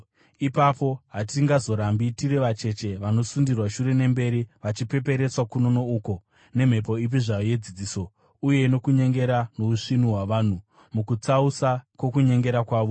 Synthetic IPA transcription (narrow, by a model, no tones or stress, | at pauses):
ipapo̞ɦatiŋɡazo̞ɾambitireʋat͡ʃe̞t͡ʃe̞ʋano̞sundirwaʃuɾe̞ne̞mbe̞ɾiʋat͡ʃipe̞pe̞ɾe̞t͡swakuno̞nouko̞ | ne̞m̤e̞po̞ip̬iʐajoje̞d͡zid͡ziːso̞ | uje̞ino̞kuɲe̞ŋɡe̞ɾano̞uʂin̤uɦwaʋaːn̤u | mukut͡sausakwo̞kuɲe̞ŋɡe̞ɾakwaːʋo̞